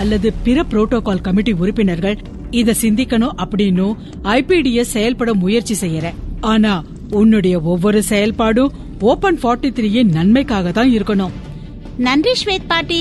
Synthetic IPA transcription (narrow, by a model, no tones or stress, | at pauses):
ɐlːɐðɯpɪɾɐpɾoːʈːoːkaːlkɐmɪʈːiʊɾɪpːɪnɐɾɣɐɭ | ɪðɛsɪnd̪ɪkːɐɳɯ̃ʔɐpːɐɽɪnːɯ̃ | ɐɪpiɽijɛssɛjɐlpɐɽɐmʊjɐɾt͡ʃːisɛjːɐɾɛ̃aːnaː | ʊnːɯɽɐjɐɔʋːɔɾɯsɛjɐlpaːɽɯ̃ | oːpɐnfaːɾʈːit̪ɾiːjenɐnmɐɪkːaːɣɐt̪ãːɪɾɯkːɐɳɯm | nɐndriʂʋeːt̪̚paːɾʈːi